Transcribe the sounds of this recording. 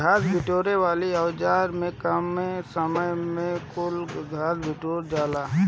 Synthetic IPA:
ɡʱaːsbɪʈoːɾeʋaːliɐwd͡ʒaːɾmẽkɐmẽsəməjmẽkʊlɡʱaːsbɪʈoːɾd͡ʒaːlaː

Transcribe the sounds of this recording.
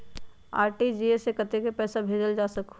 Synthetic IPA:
a̰ːɾʈid͡ʒiesekət̪ekepɛːsabʱeːd͡ʒəld͡ʒaːsək

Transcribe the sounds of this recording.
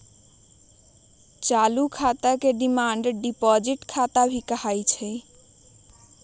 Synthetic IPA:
t͡ʃalukʰat̪akeɖimaɳɖɖipɔd͡ʒiʈkʰat̪abʱikəhajt͡ʃʰɛ

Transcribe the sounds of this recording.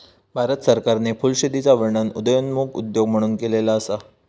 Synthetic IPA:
bʱaɾət̪səɾkaɾnefulɕed̪it͡saʋəɾɳənud̪əjonmuɡṵd̪joɡm̤əɽ̃uːnkelelaəsa

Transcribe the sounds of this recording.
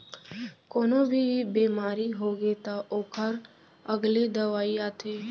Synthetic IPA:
koːnobʱibeːmaːɾiɦoːɡet̪aʔoːkʰəɾ | əɡled̪ɐʋaːiaːt̪ʰeː

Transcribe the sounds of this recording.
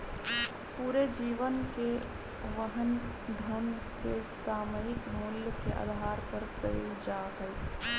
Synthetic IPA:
puːɾed͡ʒiːʋənke | ʋəɦən | d̪ʱən | kesaːməɪkmʊljkḛʔa̰ːd̪ʱɦaːɾpəɾpɾəɾḭːd͡ʒaːɦəl

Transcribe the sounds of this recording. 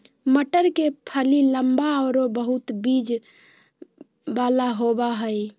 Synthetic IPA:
məʈəɾkepʰəliləmbaəɾobəɦut̪bid͡ʒ | balaɦobaɦəj

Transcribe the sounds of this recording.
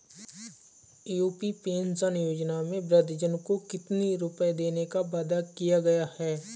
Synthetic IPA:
juːpipeːnsənjoːd͡ʒnamẽbɾəd̪d͡ʒənkokɪt̪niɾʊpəd̪eːnekabaːd̪akijaɡɐjahɛː

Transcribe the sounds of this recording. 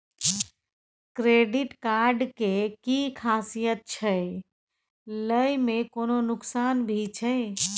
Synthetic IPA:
kɾeɖiʈkaɾɖkekikʰasijət̪̚t͡ʃʰəj | ləjmekononʊksanbʱit͡ʃʰəj

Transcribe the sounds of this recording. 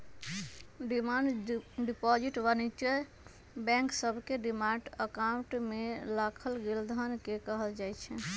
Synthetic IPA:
ɖimaɳɖɖipɔd͡ʒiʈʋənit͡ʃə | bɛ̃ŋksəbʱkeɖimaɳɖəkaũɳʈmelakʰəlɡeld̪ʱənkekəɦəld͡ʒajt͡ʃʰɛ

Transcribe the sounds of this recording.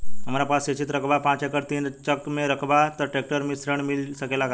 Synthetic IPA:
əmaɾapaset͡ɕiːt̪ɾəkbapãt͡sekəɾt̪iːnt͡ɕəkmeɾəkʰbat̪əɾʈek̚ʈəɾmisɾəɳmilsəkelaɡa

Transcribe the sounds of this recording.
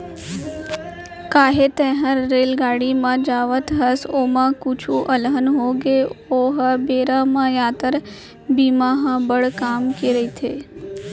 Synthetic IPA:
kaːɦet̪ẽɦəɾɾeːlɡaːɽimãd͡ʒaːʋət̪ʰɦəsoːmãkut͡ʃʰuʔəlɦənɦoɡeoɦəbeːɾamãjaːt̪əɾ | biːmãɦãbəɽkaːmkeɾəit̪ʰeː

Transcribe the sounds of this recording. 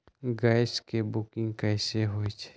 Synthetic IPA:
ɡaːɪskebʊkɪ̃ŋɡkɛːseɦoet͡ʃʰe̥

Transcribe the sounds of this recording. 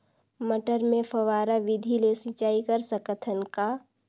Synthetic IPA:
məʈəɾmẽpʰɐʋaːɾaʋɪd̪ʱilesɪt͡ʃaːikɐɾsəkət̪ʰənka

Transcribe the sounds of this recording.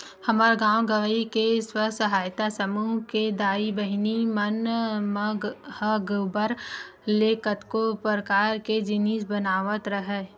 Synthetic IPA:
hɐmaːɾɡãːwɡɐʋəikeswəɦsɐɦaːjt̪asɐmuːɦked̪aːibəɦɪnimənməhəɡbəɾ | leːkət̪kopɾəkaːɾked͡ʒɪniːsbənaːʋət̪ɾəɦɛː

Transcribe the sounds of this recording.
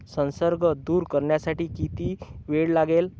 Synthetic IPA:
sə̃nsəɾɡʱəd̪uːɾkəɾɳjasaʈiːkit̪iːʋeɽlaɡel

